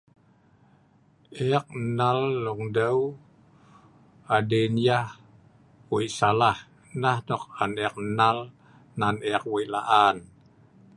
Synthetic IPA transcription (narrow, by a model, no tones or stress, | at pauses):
ɛk̚nalːɔŋdəw | adenjah | wiʔsalah | nahdɔk̚anɛak̚nal | nanɛk̚wɔiʔla̰ʔan